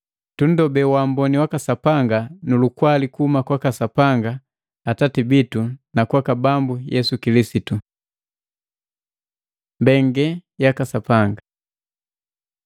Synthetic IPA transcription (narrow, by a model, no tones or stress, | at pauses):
tun̩dɔbɛwambɔniwakasapaŋɡanulukwalikuumakwakasapaŋɡaː | tatibitunakwakabambujɛsukilisitu | mbɛŋɡɛjakasapaŋɡa